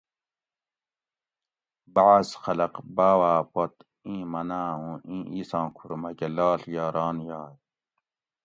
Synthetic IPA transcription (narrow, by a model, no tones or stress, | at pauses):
baʕasxɐlɐqbaːwaːpot̪ | ĩːmɐnaːɦũʔĩːʔiːsɑ̃ːkʰuɾmɐkelɑːɬjɑːɾɑːnjɑːj